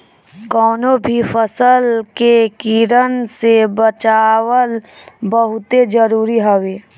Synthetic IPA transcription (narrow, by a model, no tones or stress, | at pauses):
kɔːnobʱifʰəsəlkekiːɾənsebət͡ʃaːwəlbəɦʊt̪ed͡ʒəɾuːɾiɦəweː